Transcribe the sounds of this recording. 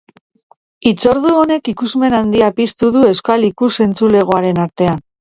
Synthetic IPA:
it͡so̞ɾðuone̞kikuzme̞nand̪iapist̪uðue̞skalikuse̞nt͡sule̞ɣ̞oaɾe̞naɾt̪e̞an

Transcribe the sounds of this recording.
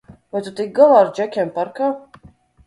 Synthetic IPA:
vajt̪ut̪ik̚ɡalˠaːɾd͡ʒɛkʲɛmpaɾkaː

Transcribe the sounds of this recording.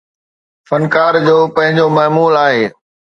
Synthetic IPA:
fɐnkaːɾd͡ʑoːpɐ̃ɦɪ̃ɲd͡ʑomɐːmuːlaːɦeː

